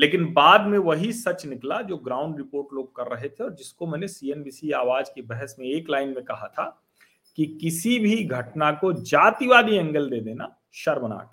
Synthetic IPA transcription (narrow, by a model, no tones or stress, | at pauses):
leːkɪnbaːd̪mẽʋɐɦisɐt͡ʃnɪklad͡ʒoːɡɾaːʊ̃ɳɖɾɪpoːɾʈloːɡ̚kɐɾːɐɦet̪ʰeɔːɾd͡ʒɪskomɛ̃ːnesiɛːnbiːsiaːʋaːd͡ʒkibɛɦɛsmẽeːklaːɪnmẽkɐɦat̪ʰa | kikɪsibʱiɡʱɐʈnakod͡ʒaːt̪iʋaːd̪iɐ̃ŋɡəld̪eːd̪eːna̰ | ʃɐɾməna̰ːk